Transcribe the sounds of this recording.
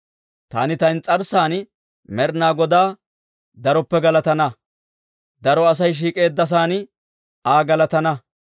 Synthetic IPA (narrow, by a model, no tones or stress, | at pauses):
t̪a̰ːnɪt̪ɐjnt͡sʼɐɾsaːn | mɛɾnaːɡɔd̪aː | d̪ɐɾɔpːɛɡɐlɐt̪ɐnɐ | d̪ɐɾɔɐs̬ɐjʃ̬iːkʼe̞ːd̪ːɐs̬aːnɪ | aːɡɐlɐt̪ɐnɐ